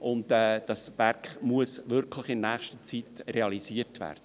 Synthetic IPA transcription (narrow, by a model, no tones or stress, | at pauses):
ʔʊndɛːd̥ɑsb̥æɾkmuəsʋʏɾkʰləχɪnnæːχʃtət͡sitɾeɑlisiːəɾtʋæ̰ːrd̥ə